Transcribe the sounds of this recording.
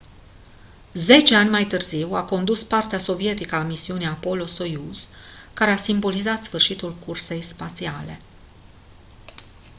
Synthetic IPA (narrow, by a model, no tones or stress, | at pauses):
ze̞t͡ʃe̞anʲmajt̪ɨrziwako̞nd̪uspart̪easo̞vie̞t̪ikəamisiuneapo̞lo̞so̞juzkaɾe̞asimbo̞lizat̪sfɨrʃit̪ulkurse̞jspat̪siale̞̰